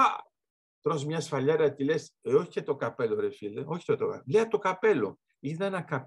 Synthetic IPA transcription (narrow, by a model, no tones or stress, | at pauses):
ɐ | t̪ɾozmɲɐsfɐʎɐɾɐt̪ileseoçi̥cet̪o̞kɐpe̞loɾefileʔoçi̥t̪ot̪okɐ̰leɐt̪okɐpe̞lo̰ | iðɐnɐkɐp